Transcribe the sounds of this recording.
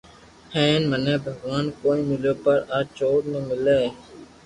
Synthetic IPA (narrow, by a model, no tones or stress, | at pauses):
hẽːnməneːbʱəɡʋaːnkoːĩːmɪloːpəɾaːt͡ʃoːʈmẽːmɪleː